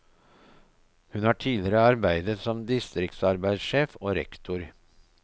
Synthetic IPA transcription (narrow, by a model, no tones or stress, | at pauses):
hʉnhɑːʈʰiːlɪɾəɑɾbæɪd̪ət̪sɔmd̪ɪst̪ɾɪk̚t̪sɑɾbæɪsʃeːfoːɾɛ̰kt̪ʰʊɾ